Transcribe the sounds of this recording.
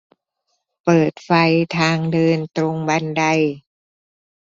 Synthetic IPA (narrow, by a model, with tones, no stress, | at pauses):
pɤː˨˩t̪̚fa˧jt̪ʰaː˧ŋdɤː˧nt̪ɾo˧ŋba˧nda˧j